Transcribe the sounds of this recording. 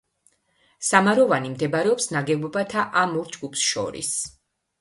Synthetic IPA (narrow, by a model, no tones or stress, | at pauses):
samaɾɔvanimd̪ɛbɾɛɔpsnaɡɛbɔbat̪ʰaʔamuɾd͡ʒɡupsʃɔ̰ɾḭs